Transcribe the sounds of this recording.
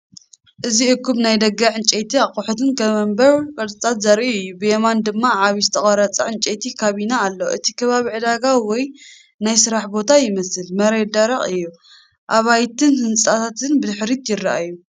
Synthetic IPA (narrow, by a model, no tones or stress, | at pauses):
ʔɨziɨkʰːumnajd̪ɐɡɐʕɨnt͡ʃʼet̪ʰiaqʼuħut̪ɨnkʰɐmɐmbɐɾkʼɐɾʼɨt̪ʼat̪zɐɾʔiɨjːubɨjemand̪ɨmːaʕaβizɨt̪ʰɐχʼɐɾɐt͡sʼɐʕɨnt͡ʃʼet̪ʰikʰaβinaːlːoʔɨt̪ʰikʰɐβaβiʕɨd̪aɡawɔj | najsɨɾaħbo̞t̪ʰajɪmɐsɨlmɐɾed̪aɾɐχʼɨjːu | ʔaβajt̪ʰɨnhɨnt͡sʼat̪ʰat̪ʰɨnbɨd̪ɨħɾit̪jɪrːaʔajːu